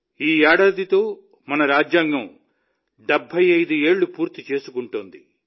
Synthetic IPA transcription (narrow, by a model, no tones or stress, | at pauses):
iːaːɽɐd̪it̪o̞ː | mɐnɐɾaːd͡ʒjaːŋɡɐm | ɖɛbʱːɐjɐjd̪ue̞ːɭːupuːɾt̪it͡ʃe̞ːsukuɳʈund̪i